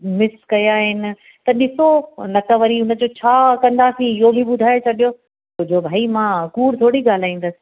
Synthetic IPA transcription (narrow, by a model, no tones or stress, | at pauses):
mɪskɐjaɦɪnɪ̆ | t̪ɐɗɪsonɐkəʋɐɾiʊnə̆d͡ʑot͡ɕʰaːkɐ̃nd̪aːsĩɪɦobʱiɓʊd̪ʱaːjot͡ɕʰɐɗijo | t̪od͡ʑʱobʱaːimãːkuːɾt̪ʰoːɽiɠaːl̤aːĩːn̆d̪əsɪ̥